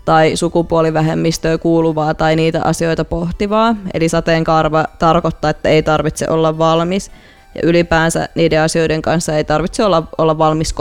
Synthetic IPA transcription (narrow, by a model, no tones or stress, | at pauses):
t̪ɑisukupuoliʋæɦemːist̪øːkuːluʋɑːt̪ɑiniːt̪æ̰ʔɑ̰sio̞it̪ɑpoht̪iʋɑːḛlisɑt̪eŋkɑrʋɑt̪ɑrkot̪ːɑːet̪ːæeit̪ɑrʋit̪sḛʔo̞lːɑʋʋɑlmis | jɑ̰ʔylipæːnsæ̰niːdeɑsio̞jdeŋkɑnsːɑeit̪ɑrʋit̪seolːɑolːɑʋʋɑlmisk